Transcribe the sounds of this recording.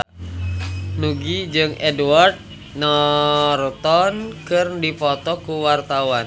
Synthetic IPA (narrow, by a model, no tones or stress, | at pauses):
nuɡid͡ʒɨŋʔɛduwart̪̚ | nɔrt̪ɔnkɨrdipɔt̪ɔkuwart̪awan